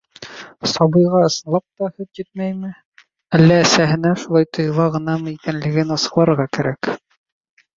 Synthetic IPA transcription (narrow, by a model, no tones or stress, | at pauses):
sɒbɤ̆jʁɑɤ̆sɤ̆nlˠɑp̚t̪ɑhɵt̪jɘt̪̚mæjmɘ | ælːæːsæɦɘ̆næʃulˠɑjt̪ʰŏjɤ̆lˠɑʁɤ̆nɑmɤikænlɘ̆ɡɘnɑsɤ̥̆qlˠɑɾɤɾʁɑkæɾæk